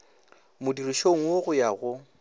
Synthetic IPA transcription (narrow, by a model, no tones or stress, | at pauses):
mʊdiriʃoŋ̩woɣʊjaɣʊ